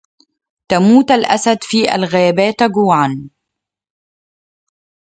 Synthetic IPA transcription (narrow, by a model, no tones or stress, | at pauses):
t̪amuːt̪alʔasad̪fiːʔa̰lɣaːbaːt̪aɡuːʕan